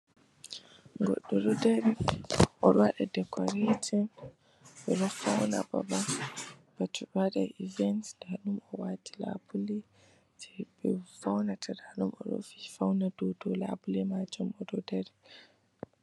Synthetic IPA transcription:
ŋɡɔ̰ɗːɔɾɔdaɾiʔɔɾwaɗadɛkʰɔɾetɔn | ɓɛɾɔfawna̰ba̰ba | b̥atʰuɗaɗaʔivɛntdanumɔwatʰi̥la̰buli | tɛ̥bɛfawnatʰadanumʔɔ̰ɗɔ̰fi̥fawnadɔdɔla̰bulɛmad͡ʒɔmɔɾɔdaɾi

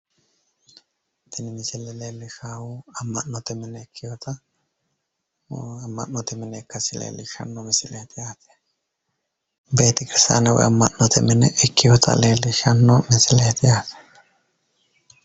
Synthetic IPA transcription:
t̪ɪnɪmɪsɪlːɛleːlːɪʃaːwuɐmːɐnːɔt̪ɛmɪnɛːkʰːɪjɔt̪ɐ | ɐmːɐ̰nːɔt̪ɛmɪnɛkːɐsɪlḛːlːɪʃɐ̰nːɔmɪsɪleːt̪ɪjaːt̪ɛ̥ | beːt̪ɪkʼɪɾsa̰ːnɛwɔ̰jɐmːɐ̰nːɔt̪ʰɛmɪnɛʔɛkʰːɪjɔt̪ʰɐ̰leːlːɪʃɐnːɔmɪsɪleːt̪ɪjaːt̪ɛ̥

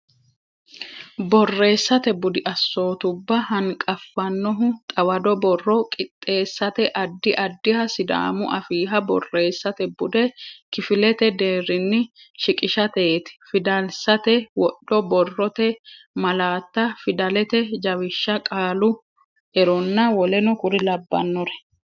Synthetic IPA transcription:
bɔrːe̞ːsːɐt̪ɛbʊd̪ɪʔɐsːo̞ːt̪ʊbːɐhɐŋkʼɐfːɐnːɔɦʊt̪ʼɐwɐd̪ɔbɔrːɔkʼɪt̪ʼːe̞ːsːɐt̪ɛʔɐd̪ːɪʔɐd̪ːɪhɐsɪd̪a̰ːmʊ̰ʔɐfiːɦɐbɔ̰rːe̞ːsːɐt̪ɛbʊd̪ɛkɪfɪlɛt̪ɛd̪eːɾɪnːɪ | ʃɪkʼɪʃɐt̪e̞ːt̪ɪ̥fɪd̪ɐlsɐt̪ɛwɔɗɔbɔrːɔt̪ɛ | mɐlaːt̪ːɐfɪd̪ɐlɛt̪ɛd͡ʒɐwɪʃːɐkʼaːlʊ | ʔɛɾɔnːɐwɔlɛnɔkʊɾɪlɐbːɐ̰nːɔɾɛ̥

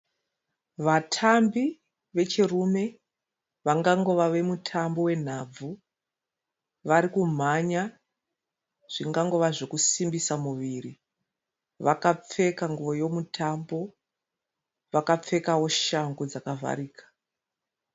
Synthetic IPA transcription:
ʋatʰambi | ʋe̞t͡ʃirume̞ | ʋaŋɡaŋɡo̞ʋaʋe̞mutʰambo̞we̞n̤ab͡vu | ʋaɾikum̤aɲa | ʐ̥iŋɡaŋɡo̞ʋaʐo̞kusimbisamuʋiri | ʋakap͡fe̞kaŋɡuʋo̞jo̞mutʰambo̞ | ʋakap͡fe̞kawo̞ʃaŋɡod͡zakavʱa̰ɾiːkḁ

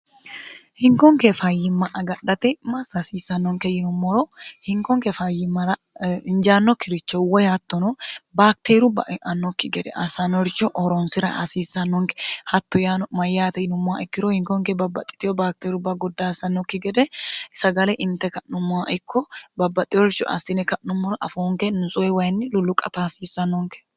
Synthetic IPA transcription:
hɪŋkɔŋkɛfɐjːɪmːɐʔɐɡɐɗːɐt̪ɛmɐsɐsiːsːɐnːɔŋkɛjɪnʊmːɔɾɔhɪŋkɔŋkɛfajːɪmːɐɾɐ | ɪnd͡ʒaːnːɔkːɪɾɪt͡ʃːɔwɔjhɐt̪ːɔnɔbaːk̚t̪eːɾʊbɐ̰ʔʔɐnːɔkːɪɡɛd̪ɛ̰ʔɐsɐnɔɾɪt͡ʃːɔʔɔɾɔnsɪɾɐʔɐsiːsːɐnːɔŋkɛ̥hɐt̪ːɔjanmɐjːaːt̪ɛnʊmːʊaʔɪkːɪɾɔhɪŋkɔŋkɛbɐbːɐt̪ʼːɪ̥t̪ʼːɪjɔbaːk̚t̪eːɾʊbɐɡɔd̪ːaːsɐnːɔkːɪɡɛd̪ɛsɐɡɐlɛʔɪnt̪ːɛkɐʔnʊmːʊaʔɪkːɔbɐbːɐt̪ʼːɪjɔɾɪt͡ʃːɔ̰ʔɐ̰sːɪnɛkɐʔnʊmːɔɾɔʔɐ̰foːŋkɛnʊsʼɔɛwɐjnːɪlʊlʊkʼɐt̪asiːsːɐnːɔŋkɛ̥

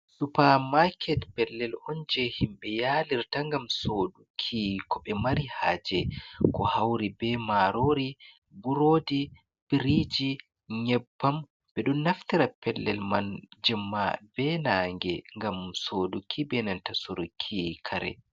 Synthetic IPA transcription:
supamakʰɛtpɛlːɛlɔnd͡ʒɛhimbɛjaliɾtaŋɡamsodukʰikɔɓɛmaɾiha̰ːd͡ʒɛkɔhawɾibɛmaɾoɾi | buɾoːdi | b̥iɾid͡ʒi | ɲɛbːam | b̥ɛɗɔnːaftiɾapɛlːɛlmand͡ʒɛmːabɛnaːŋɡɛŋɡamsodukʰibɛnantasoɾukʰikʰaɾɛ̰

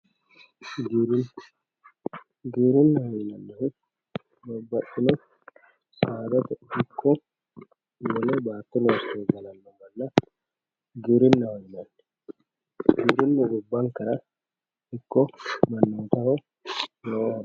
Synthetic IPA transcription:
ɡiɾɪn | ɡiːɾɪnːɐhɔjɪnɐnːɛhɪ | bɐbːɐɗɪnɔ | saːd̪ɐt̪ɛhɪkʰːɔ | wɔlɛbaːt̪ːɪnoːsɛːɡɐlɐnːɔmɐlːɐ | ɡiːɾɪnːɐhɔjɪnɐnːɛ | ɡiːɾɪnːʊʔʊbːɐŋkɐɾɐ | hɪkːɔmɐnːɪːt̪ɐhɔ | nɔɔhɐ

